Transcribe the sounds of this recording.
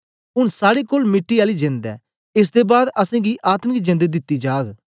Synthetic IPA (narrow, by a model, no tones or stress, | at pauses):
ʊnsaːɽeːkoːlmɪʈːiːaːliːd͡ʒẽnd̪ɛ̰ː | ɪs̬d̪eːbaːd̪əsɛ̃ːɡiːʔaːt̪mɡiːd͡ʒẽːnd̪eːd̪ɪt̪ːiːd͡ʒaːɡ